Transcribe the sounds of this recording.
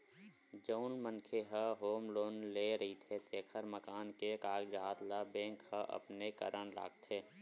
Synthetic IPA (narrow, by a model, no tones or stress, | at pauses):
d͡ʒəʊnmənkʰeɦəɦoːmloːnleːɾɐɦit̪ʰet̪eːkʰəɾməkaːnkekaːɡd͡ʒaːt̪labẽːŋkhəʔɐ̰pnekə̰ɾəñla̰ːɡ̚t̪ʰeː